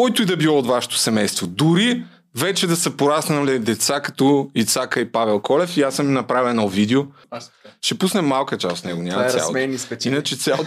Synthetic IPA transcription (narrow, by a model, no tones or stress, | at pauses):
kɔjt̪ʊid̪ɐbilˠɔot̪vaʃɛ̥t̪o̥sɛmɛjst̪vod̪ʊɾi | vɛt͡ʃɛd̪ɐsɛpoɾasnɐmlid̪ɛt̪sakɐ̥t̪ɔit̪sakəipavɛlˠkɔlɛfiasəminɐpɾavɛnolvid̪ɛo | ʃɛpusnɛmːalˠkət͡ʃast̪nɛɡonʲamɐsja̰lˠɛnisinɐt͡ʃɛt̪sʲjao